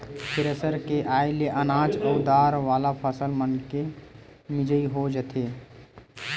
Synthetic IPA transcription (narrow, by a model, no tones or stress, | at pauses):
pʰɪɾəsəɾkeʔaːeleʔənãːt͡ʃəʊd̪aːɾʋaːlapʰəsəlmənkemɪd͡ʒəiɦod͡ʒət̪ʰeː